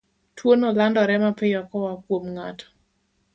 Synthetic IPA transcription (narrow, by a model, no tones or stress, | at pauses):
twonolandɔɾɛmapɪjɔkɔwakwomŋatʰɔ̥